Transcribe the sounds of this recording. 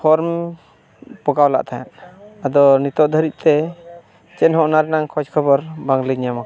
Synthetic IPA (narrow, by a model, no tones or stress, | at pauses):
pʰɔɾm | pɔɡawla̰ʔt̪ʰaja̰nad̪ɔnit̪ɔʔd̪ʱəɾit̪̚ˀt̪ɛ | t͡ʃɛnhɔʔnaɾɛnaŋkʰɔd͡ʒkʰɔbɔɾbaŋliɲamak